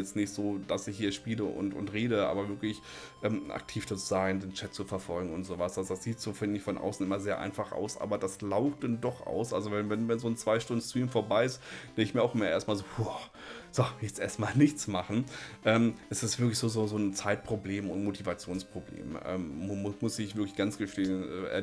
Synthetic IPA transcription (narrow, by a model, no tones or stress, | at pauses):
jɛt͡stnɪçtz̥oːd̥asɪçhiːɐʃpiːləʔʊ̰ntʊ̰ntʁeːɾəʔa̰ːbɐvɪɐklɪç | ʔɛːmʔa̰k̚tʰiːfd̥at͡suzaɪndeːnt͡ʃɛtt͡sufɛɐfɔlɡŋ̩ʊntz̥oːvasd̥azd̥asz̥iːtz̥oːfɪndɪçfɔnʔa̰ʊsn̩ʔɪmɐzeːɐʔa̰ɪnfaχʔa̰ʊsʔa̰ːbɐdaslaʊxtd̥andɔχʔa̰ʊsʔa̰lzovɛnvɛnuːnzoːnt͡sv̥aɪʃtʊndnstʁ̥iːmfoːɐbaɪɪstd̥ɛŋkɪçmiːɐaʊxʔɪmːɐʔeːɐst̚maːlzoːhu | z̥ojɛt͡stʔeːɐstmaːlnɪçt͡smaχn̩ʔɛːmʔɛstɛsv̥ɪɐklɪçz̥oːzoːzoːnt͡saɪt̚pʁ̥obleːmʊntmotʰivat͡sjoːnspʁ̥oblḛːmʔɛ̰ːmmʊsɪçv̥ɪɐklɪçɡ̥ant͡sɡ̥əʃteːənʔɛ̰ːʔɛ̰